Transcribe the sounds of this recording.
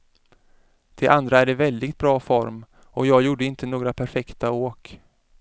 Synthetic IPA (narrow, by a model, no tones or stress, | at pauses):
d̪̥ɛʔand̪ɾaæɖɛvɛld̪ɪɡt̪̚bɾɑːfɔɾm | ɔjɑːɡjuːɖəɪnt̪ənoːɡɾapʰæɾfɛkt̪aoːk